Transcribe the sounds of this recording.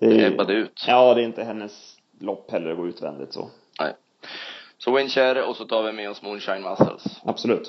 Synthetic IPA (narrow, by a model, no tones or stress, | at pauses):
d̪̥ɛɛad̪əʉ̟ːt̪ɑːd̪ɛːɾɪnt̪əɦɛnːəs | lɔpːhɛlːəɾɔɡoːʉ̟ːt̪vɛ̰nd̪ɪ̰t̪sɔ̰ | nɛ̰ɪ | sɔwɪnɕæɾəɔsɔt̪ʰɑːɾvɪmɛɔsmunɕaɪnmasə̰lsab̥sɔlʉ̟ːt̪